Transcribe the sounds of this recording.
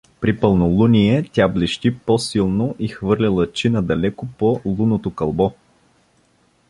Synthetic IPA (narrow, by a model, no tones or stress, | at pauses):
pɾipəlˠnolˠuniɛt̪ʲablɛʃt̪iposilˠnoʔixvɤɾlʲilˠət͡ʃinɐd̪ɐlɛkopolˠunot̪okɐlˠbɔ